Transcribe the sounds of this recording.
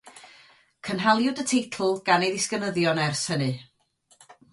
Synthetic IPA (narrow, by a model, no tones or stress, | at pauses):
kʰənɦalˠjʊdətʰejtʰl̩ˠɡ̥anejðɪskənəðjɔnɛrshənɨ